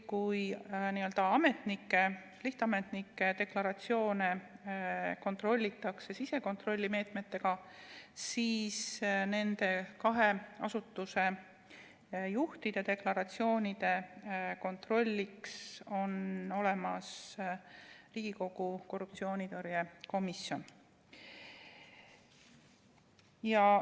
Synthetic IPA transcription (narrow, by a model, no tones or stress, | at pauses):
kujniø̞ld̪̥ɑɑme̞t̪nikːe̞ | liht̪ɑme̞t̪nikːe̞t̪e̞klɑɾɑt̪sio̞ːne | ko̞nt̪ˑro̞lʲːit̪ːˑɑkse̞sise̞ko̞nt̪ro̞lʲːime̞ːt̪me̞t̪ːe̞ɡ̥ɑsiːsne̞nd̪̥e̞kɑɦe̞ɑ̰sut̪ːuse̞ | juht̪id̪̥ed̪e̞klɑɾɑt̪sio̞ːnʲid̪̥e̞ko̞nt̪ro̞lʲːikso̞no̞le̞mɑs | riːɡ̥iko̞ɡ̥uko̞rːupt̪sio̞ːnid̪oɾjeko̞misjo̞n | jɑ